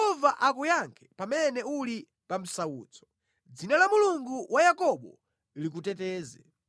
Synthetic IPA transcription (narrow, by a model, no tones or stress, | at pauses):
ɛɔvaʔakujaŋkʰɛ̥pamɛnɛuli | pam̩saṵːt͡sʰɔ̥ | d͡zinalamuluŋɡuwajakɔɓɔ | lik̬utɛtɛːzɛ